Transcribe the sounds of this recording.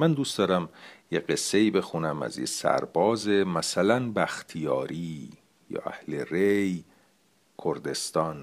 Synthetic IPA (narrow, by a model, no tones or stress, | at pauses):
mænd̪uːst̪d̪ɒːɾæmjeɢe̞sːe̞iːbe̞xunæmæ̰zjḛsæ̰ɾbɒːzemæsælænbæxt̪ʰijɒːɾiː | jɒ̰ːʔæ̰hlerej | kʰoɾd̪e̞st̪ɒːn